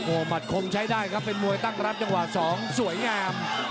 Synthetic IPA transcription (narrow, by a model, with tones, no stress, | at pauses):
ʔoː˨˩ma˨˩t̪̚kʰo˧mt͡ɕʰa˦˥jdaː˥˩jkʰa˦˥pːe˧nmu˧əjt̪a˥˩ŋɾa˦˥p̚t͡ɕa˧ŋwa˨˩sɔː˩˦ŋsu˩˦əjŋaː˧m